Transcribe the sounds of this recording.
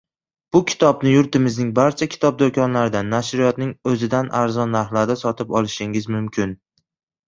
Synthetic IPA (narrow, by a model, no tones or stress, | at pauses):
b̥ʊkʲʰɪ̥t̪ʰɒbnɪjʊɾt̪ɪmɪznɪŋbaɾt͡ʃʰakʲʰɪ̥t̪ʰɒb̚d̪okʲʰɒnlaɾɪd̪anːaʃɾɪjɒt̪̚nɪŋɵzɪd̪anʔaɾzɒnːaɾhlaɾd̪asɒt̪ʰɪpɒlˠɪʃɪŋɪzmʊmkʲʰɪn